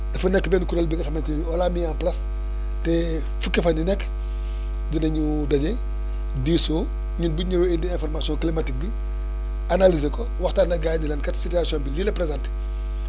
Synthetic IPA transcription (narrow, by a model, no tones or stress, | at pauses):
dɐfunɛkːbɛːnkuɾɐlbiɡɐxɐmɛnti | ɔlamijaːnplɐs | tɛ | fukːɐfɐndinɛkː | dinɐɲu | dɐɲe | diːsoː | ɲunbuɲəwindiɛ̃nfɔrmasjɔ̃nŋklimatik̚bi | analizekɔwɐxtaːnɐɡaːjnilɐnkɐtsituasijɔ̃nbililɐpɾezãnt